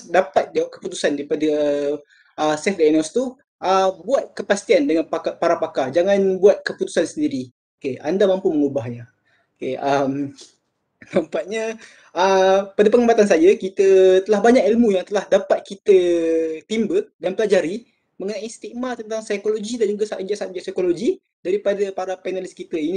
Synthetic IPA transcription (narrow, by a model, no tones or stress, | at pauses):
dapat̪̚dawaʔkə̥put̪usandaɾipadə | əsɛfɡanɔst̪u | ʔəbuat̪̚kəpast̪iandəŋanakapaɾapakad͡ʒaŋãnbuat̪̚kəput̪u̥sansəndiɾi | okeandamãmpuməŋubahɲa | keəm | nampaʔ̚ɲa | əpadap̬əŋəbat̪ans̬ad͡ʒakit̪ət̪əlahbaɲakilmũjaŋt̪əlahdapat̪̚kit̪ət̪imbədanpəlad͡ʒaɾi | məŋənaʔist̪iʔmat̪ənt̪aŋsajkoloɡidand͡ʒuɡasaʔd͡ʒaʔsat̪̚d͡ʒasajkoloɡi | daɾipadapaɾapenaliskit̪əin